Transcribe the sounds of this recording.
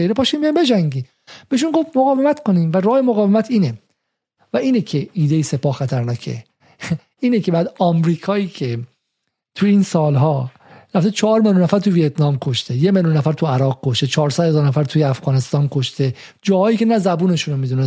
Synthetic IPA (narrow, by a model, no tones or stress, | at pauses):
ejɾepʰɒːʃiːnmbijɑjmbed͡ʒæŋɟiː | b̥eiʃ̬unɡofmoɣɒːve̞mæt̪kʰoniːmvæɾɒːhemoɣɒːvemæt̪ʰiːne | væʔiːnekʰe̞ʔiːd̪ejise̞pɒːhxæt̪ʰæɾnɒːcʰe̞̰ | iːnecʰe̞bæːd̪ɒmɾiːkʰɒːiːcʰe | t̪ʰujiːnsɒːlɦɒː | ɾæft̪et͡ʃʰɒhɒɾmeljunæfæɾt̪ʰuvijet̪ʰnɒːmkʰo̞ʃt̪e̞jemeljunːæfæɾt̪ʰuæɾɒːɣ̚kʰo̞ʃt̪e̞t͡ʃʰɒːɾsæd̪̥hezɒːɾnæfæɾt̪ʰuːjeæfɣɒːne̞st̪ɒːnkʰoʃt̪e̞ | d͡ʒɒːhɒːjiːce̞næzæbuːne̞ʃunomid̪une